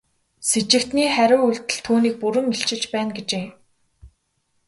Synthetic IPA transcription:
set͡ɕɪ̆kt̪niːχæɾʲʊːuɮt̪ɘ̆ɮt̪ʰuːniːk̚puɾɵ̆mːiɬt͡ɕɪ̆ɮt͡ɕpæːnɡet͡ɕeː

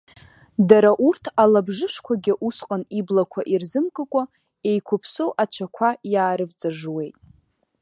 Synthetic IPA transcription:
daɾaʔurtʰalabʐɨʂkʷʰaɡʲɪʔusqʼaniblakʷʰaʔirzɨmkʼɨkʷʼa | e̞jkʷʰʊpʰsowʔat͡ʃʷʰakʷʰajaːɾɨvt͡sʼaʐwe̞jtʼ

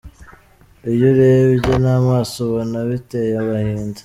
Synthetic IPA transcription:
ijoɾeβiɟenaːmaːsoβonaβitejaβahiːndḁ

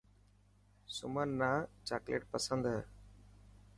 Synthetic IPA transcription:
sʊmənːaːt͡ʃaːklḛːʈ̚pəsənd̪ɦɛ

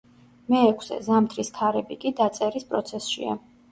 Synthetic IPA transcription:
mɛːkʷʰsɛ̰zamt̪ʰɾiskʰaɾɛbikʼid̪at̪sʼɛɾispʼɾɔt̪sʰɛsʃḭa̰

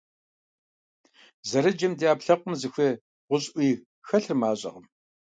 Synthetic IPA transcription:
zɐɾɨd͡ʒɐmdiaːpɬɐqʷʊmzɨxʷɐ | ʁʷʊɕʼʔʷiː | xɐɬrmaːɕʼɐ̰ʁəm

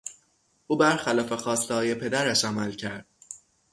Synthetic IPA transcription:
ʔuːbæɾxælɒːfe̞xɒːst̪ehɒːje̞pʰe̞d̪æɾæʃæmælcʰæɾd̪̥̚

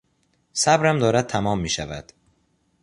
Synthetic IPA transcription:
sæbɾæmd̪ɒːɾæd̪̚t̪ʰæmɒːmːiːʃævæd̪̥

